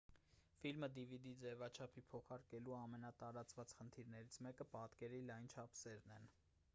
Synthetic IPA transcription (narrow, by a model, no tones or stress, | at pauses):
filməd̪ivid̪id͡zɛvɑt͡ʃʰɑpʰipʰɔχɑɾkɛluɑmɛnɑt̪ɑɾɑt͡svɑt͡sχənt̪ʰiɾnɛɾit͡sʰmɛkəpɑt̪kɛɾilɑjnt͡ʃʰɑpʰsɛɾnɛn